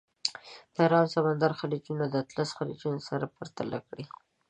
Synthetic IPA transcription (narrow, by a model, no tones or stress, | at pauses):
d̪̥əɾɑmsamand̪aɾxalid͡ʒunad̪ət̪lasxalid͡ʒunosaɾapəɾt̪ala̰kɽi